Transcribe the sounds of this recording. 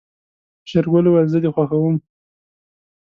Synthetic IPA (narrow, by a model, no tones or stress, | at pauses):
ʃaɾɡolowalzəd̪exwaxawəm